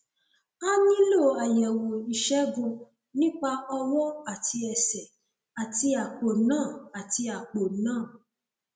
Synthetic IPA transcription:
a˦nĩ˦lo˦˨a˨jɛ˨wɔ̃˨i˨ʃɛ˦ɡũ˧ | nĩ˦k͡pa˧ɔ˧wɔ̃˦a˦˨tʰi˧ɛ˨sɛ˨ | a˨ti˧a˨k͡po˨nãː˦˨a˨ti˧a˨k͡po˨nãː˦˨

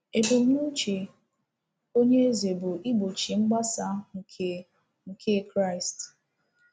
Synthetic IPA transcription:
e˨bʊ˨m˦u˦t͡ʃe˨ | o˦ɲe˦e˦ze˨bʊ˨ʔi˦ɡ͡bo˨t͡ʃi˨ŋ͡m̩˦ɡ͡ba˦sa˦ŋ̩˨kʰe˨ | ŋ̩˨kʰe˦kɾa˦ɪ˨st

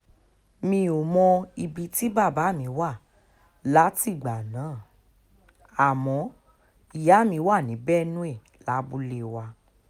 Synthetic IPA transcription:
mĩ˧˦o˨mɔ̃˧i˧bi˧ti˦ba˦˨ba˨˦˨mĩ˨˧˦wa˦˨ | la˨˦ti˦˨ɡ͡ba˨nãː˨˦˨ | a˦˨mɔ̃˨˧˦ | i˦˨ja˨˦˨mĩ˧˦wa˦˨nĩ˨˦bɛ˦nũ˦e˦˨ | la˨˦bu˦le˦˨wa˧

